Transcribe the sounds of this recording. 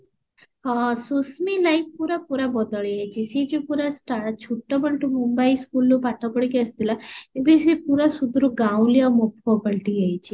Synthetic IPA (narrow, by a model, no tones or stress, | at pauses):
ɦãsusmilaifpuɾapuɾabɔd̪əɭiad͡ʒisid͡ʑipuɾasʈaɾt̪̚t͡ʃʰuʈːəbəɭʈumumbaiskulːupaʈʰəpəɽkeəst̪ilaebisipuɾasud̪ɾuɡãwliamokfɔpəlʈijajt͡ɕi